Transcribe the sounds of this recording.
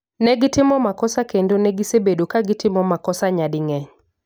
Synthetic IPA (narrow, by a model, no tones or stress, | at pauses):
nɛɡɪtɪmɔmakɔsakendonɛɡisebedokaɡɪtɪmɔmakɔsaɲadɪŋɛɲ